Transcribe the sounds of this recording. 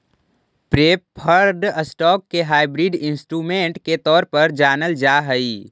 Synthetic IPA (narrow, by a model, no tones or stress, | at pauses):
pɾeːppʰəɾd̪əsʈɔːkːeɦaːɪbɾiɖɪ̃nsʈɾuːmẽːɳʈket̪ɔːɾpəɾd͡ʒaːnəld͡ʒaɦəi